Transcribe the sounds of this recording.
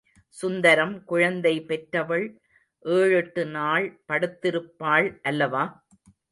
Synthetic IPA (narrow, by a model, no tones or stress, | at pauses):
sʊnd̪ɐɾɐmkʊɻɐnd̪ɐɪpɛʈɾɐʋɐɭ | ʔeːɻɯʈːɯnaːɭpɐɽɯt̪ːɪɾɯpːaːɭʔɐlːɐʋaː